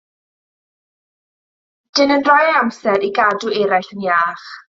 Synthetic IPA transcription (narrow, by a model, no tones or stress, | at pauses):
d̥ɪnənrɔjamsɛɾʔiɡaduɛɾajɬənjaːχ